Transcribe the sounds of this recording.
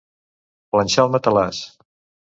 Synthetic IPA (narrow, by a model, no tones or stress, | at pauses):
plənʲʃalˠmət̪əlas